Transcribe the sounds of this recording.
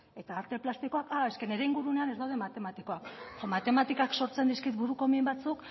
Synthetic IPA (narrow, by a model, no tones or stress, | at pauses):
e̞t̪aːɾt̪e̞plast̪iko̞akae̞ske̞ne̞ɾeiŋɡuɾune̞ane̞zd̪awðe̞mat̪e̞mat̪iko̞akomat̪e̞mat̪ikakso̞ɾt͡se̞nd̪iskit̪buɾuko̞mimbat͡suk